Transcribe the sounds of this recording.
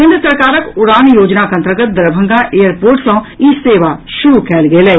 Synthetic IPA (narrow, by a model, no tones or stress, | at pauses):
kɪ̃nd̪ɾəsəɾkaːɾəkʊɾaːnjoːd͡ʒnakɐ̃nt̪ɾəɡət̪̚d̪ɐɾbʱə̃ŋɡaʔejəɾpoːɾʈsõiseːʋaʃʊɾukɛːlɡeːleː